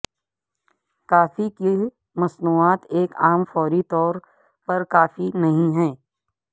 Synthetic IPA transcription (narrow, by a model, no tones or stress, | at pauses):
kaːfiki | mɐsnuːaːt̪eːkaːmfɔːɾit̪ɔːɾ | pɐɾkaːfinɐɦĩɦɛ̃ː